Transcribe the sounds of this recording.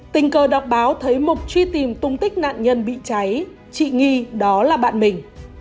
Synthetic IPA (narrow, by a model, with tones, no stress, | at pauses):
t̪ï˨˩ŋ̟kəː˨˩ɗa˨˩wk͡p̚ɓaː˨˦wt̪ʰə˨˦jmo˨˩t̚t͡ɕwi˧t̪i˨˩mt̪ʊ˧ŋ͡mt̪ï˦˥k̟̚na̰ː˧˨nɲə˧nɓḭ˧˨t͡ɕa˨˦j | t͡ɕḭ˧˨ŋi˧ɗɔ˨˦laː˨˩ɓa̰ː˧˨nmï˨˩ŋ̟